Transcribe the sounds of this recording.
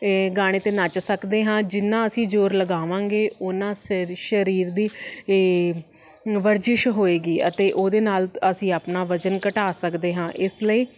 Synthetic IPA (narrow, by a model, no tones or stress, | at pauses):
ɡaːɽ̃eːt̪eːnat͡ʃsəkd̪eːɦãːd͡ʒɪnːãːəsĩːd͡ʒoːɾləɡaːʋãːŋɡeːʊnãːʃəɾiːɾd̪iː | ʋəɾd͡ʒɪʃɦoːeːɡiːət̪eːʔoːd̪eːnaːləsĩːaːpnaːʋəd͡ʒənkəʈaːsəkd̪eːɦãːʔɪsləiː